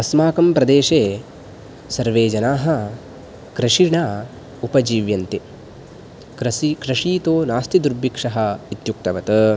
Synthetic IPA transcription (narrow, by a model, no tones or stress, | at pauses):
ɐsmaːkɐmpɾɐd̪eːʂeː | sɐɾʋeːd͡ʒɐnaːɦɐ̆ | kɾɐʂiɳaː | upɐd͡ʒiːʋjɐnt̪i | kɐkɾɐʂiːt̪oːnaːst̪id̪uɾbikʂɐɦɐ̆it̪juk̚t̪ɐʋɐt̪ɐ